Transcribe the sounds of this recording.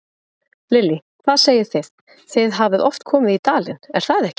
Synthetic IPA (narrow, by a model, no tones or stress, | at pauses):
lɪlːikʰvaðseːjɪ̥θest̪ | θɪðɦavɪðɔft̪kʰɔːmɪðit̪aːlɪnɛɾ̥θaðɛhcɪ̥